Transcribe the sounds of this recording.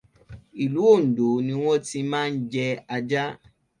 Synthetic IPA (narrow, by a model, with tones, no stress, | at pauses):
i˨lu˨˦o˦˨n̩˨do˨˦nĩ˧w̃ɔ̃˦ti˧mãː˦˧n̩˦d͡ʒɛ˧a˧d͡ʒa˦